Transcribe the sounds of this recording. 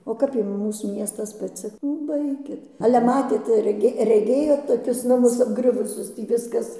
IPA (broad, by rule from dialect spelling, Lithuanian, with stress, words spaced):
oː ˈkɐp ˈjʊm ˈmuːs ˈmʲiɛstɐs pɐˈt͡sʲɪ nʊ ˈbɐɪkʲɪt ɐlʲɛ ˈmɑːtʲeːt rʲɛˈɡʲeː rʲɛˈɡʲeːjoːt toːˈkʲʊs nɐˈmʊs ɐbˈɡrʲʊʋʊsʲʊs ˈtʲiː ˈʋʲɪskɐs